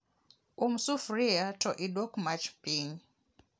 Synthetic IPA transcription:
umsufɾiatɔʔidwɔkmat͡ʃpiŋ

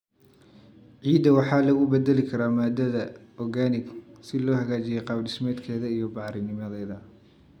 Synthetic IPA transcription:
ʕiːd̪ɐwɑħɑːlɐɣʊbɛd̪ɛlɪkʰɐɾaːmaːd̪ɐðɐɔɡaːnɪɡsɪlɔːhɐɣaːt͡ʃɪjɛjqɑːbɖɪsmɛːd̪kʰɛːðɐijɔbɑʕɾɪnɪmɐðɛːðɐ

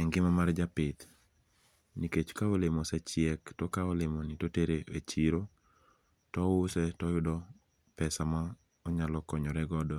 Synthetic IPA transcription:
ɛŋɡɪmamard͡ʒapɪt̪ | niket͡ʃkaɔlemɔsɛt͡ʃɪɛktɔkaɔlemɔnitoteɾeḛt͡ʃiɾo | tɔʊsɛtɔjʊdɔ | pɛsama | ɔɲalɔkɔɲɔɾɛɡɔdɔ

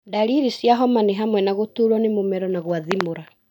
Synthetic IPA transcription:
daɾiɾisjaɦɔmaneɦamwɛnaɣotuːɾɔnemomɛɾɔnaɣwaðimoɾa

